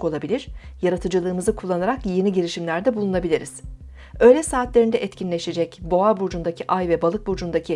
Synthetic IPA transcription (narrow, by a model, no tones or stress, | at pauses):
ko̞lˠabilʲiɾ̥jaɾat̪ʰɯd͡ʒɯlˠɯːmɯzɯkʰulˠːanaɾakje̞niɟeɾiʃimlʲæɾd̪ɛbulˠunabilʲiɾiz̥ | ø̞jlʲɛsaːt̪lʲe̞ɾind̪ɛʔɛt̪cʰinlʲeʃe̞d͡ʒɛcbo̞abuɾd͡ʒund̪acʰiʔajvɛbalˠɯk̚buɾd͡ʒund̪acʰi